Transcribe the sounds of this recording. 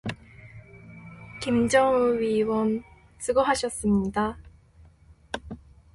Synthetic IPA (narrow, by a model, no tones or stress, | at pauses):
kimd͡ʑʌŋuɥiwʌn | s͈ɯɡʌɦaɕʰʌs͈ɯmɲida